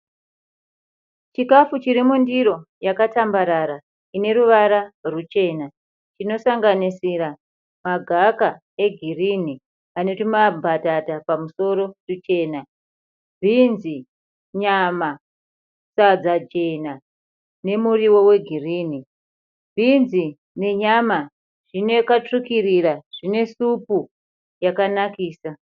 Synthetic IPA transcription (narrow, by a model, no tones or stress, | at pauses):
t͡ʃikafut͡ʃiɾimundiɾo̞jakatambaɾaɾa | ine̞ɾuʋaɾarut͡ʃe̞ːna | t͡ʃino̞saŋɡanisiɾa | maɡʱaka | e̞ɡʱirini | ano̞timabʱatatapamuso̞ɾo̞rut͡ʃe̞ːna | bʱinzi | ɲama | sad͡zad͡ʒe̞na | ne̞muriwo̞we̞ɡʱiriːni | bʱinzi | ne̞ɲama | ʐ̥ine̞kat͡ʂukiriraʐ̥ine̞supu | jakanakiːsa